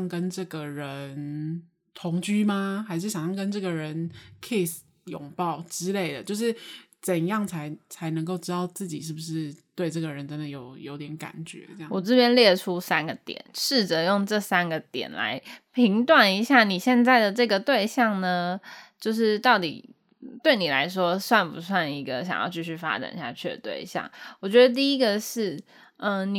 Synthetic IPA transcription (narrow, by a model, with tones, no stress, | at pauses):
ŋkə˦nʈ͡ʂə˥˩ɡə˩ɻə˧˦n | t̪ʰʊ˧˥ŋt͡ɕy˥ma˧xa˧˥ɪʂɻ̩˥˩ɕjɑ˨ŋɕɑ˥ŋ˧kə˥nʈ͡ʂɤ˥˩ɡə˩ɻə˧˦nkʰə˥i˨˩ | jʊ̰˨˩ŋpɑ˥˩ʊʈ͡ʂɻ̩˥le˥˩ɪd̪ə˩t͡ɕjo˥˧ʊʂ̬ɻ̩˥˩t͡sə˨˩njɑ˥˩ŋt͡sʰa˧˥ɪt͡sʰa˧˦ɪnə˧˥ŋko˥˧ʊʈ͡ʂɻ̩˥t̪ɑ˥˧˩ʊt͡sɹ̩˥˩t͡ɕḭ˨˩ʂ̬ɻ̩˥˩bu˩ʂɻ̩˥˧t̪we˥˧ɪʈ͡ʂɤ˥˩ɡə˩ɻə˧˦nʈ͡ʂə˦˥nd̪ə˨˩jo˨˩ʊjo˧ʊt̪jɛ˧˥˦nka̰˨˩nt͡ɕɥɛ̰˧˦˥ɑ˥˨wɔ˨˩t͡sɹ̩˥˧pjɛ˥nljɛ˥˩ʈ͡ʂʰu˦˥sa˥nɡə˨t̪jɛ̰˨˩˦nʂɻ̩˥˩t͡sɤ˧˦jo˥˧ŋʈ͡ʂɤ˥˩sa˥nɡə˨t̪jɛ̰˨˩nla̰˧˥ɪpʰi˧˥ŋt̪wa˨˩ni˧˥ɕja˥˩ni˨˩ɕjɛ˥˧nt͡sa˥˩ɪd̪ə˩ʈ͡ʂɤ˥˩ɡə˩t̪we˥˧ɪɕjɑ˥˩ŋnə˩t͡ɕjo˥˧ʊʂ̬ɻ̩˥˧t̪ɑ˥˩ʊt̪ḭ˨˩ | t̪we˥˩ɪni˨˩la̰˧˥ɪʂwɔ˥swa˥˩npṵ˧˥swa˥˩ni˧˥ɡə˨ɕjɑ̰˨˩ŋjɑ̰˥˧ʊt͡ɕʰy˥˧ɕy˥˩fa̰˥ʈ͡ʂa̰˨˩nḭ˧˩ɕja˥˧t͡ɕʰy˥˩˨t̪wḛ˥˩ɪɕjɑ̰˥˩ŋwɔ˨˩t͡ɕɥɛ˧˥d̪ə˧t̪̬i˥˩i˥ɡə˨ʂɻ̩˥˩ | ə˧ni˨